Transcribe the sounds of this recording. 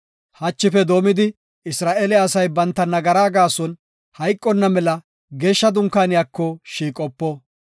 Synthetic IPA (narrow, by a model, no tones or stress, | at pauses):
hɐt͡ʃːɪfɛd̪o̞ːmɪd̪ɪ | ɪsɾaːʔelɛɐsɐjbɐnt̪ːɐnɐɡɐɾaːɡaːsɔn | hɐjkʼːɔnːɐmɛlɐ | ɡeːʃːɐd̪ʊŋkːaːnɪjaːkːɔʃiːkʼɔpːɔ